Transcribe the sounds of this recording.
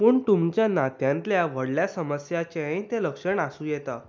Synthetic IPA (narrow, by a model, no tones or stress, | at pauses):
pəːɳt̪umt͡ɕjanat̪jãnt̪ljaʋəɽljasəməsjat͡ɕeãt̪eləkʂəɳasũːjɛt̪a̰